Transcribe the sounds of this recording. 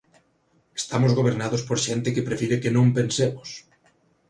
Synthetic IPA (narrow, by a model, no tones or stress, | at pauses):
est̪amozɣoβeɾnaðospoɾʃent̪ɪkepɾefiɾekenõmpensemos